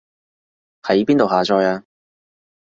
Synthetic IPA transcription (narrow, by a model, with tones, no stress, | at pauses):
hɐ˨˥jpiː˥nt̪o˨wɦaː˨˩t͡ʃʰɔː˧jaː˧